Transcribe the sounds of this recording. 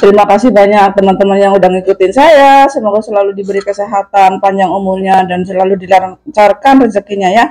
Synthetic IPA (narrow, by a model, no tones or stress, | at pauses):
t̪əɾimakasɪhbaɲak̚t̪əmant̪əmanjaŋudaŋikut̪ɪnsajasəmɔɡasəlaludibəɾikəseɦat̪anpaɲd͡ʒaŋumulɲadans̬əlaludilarŋt͡ʃarkanrəzəkiɲaja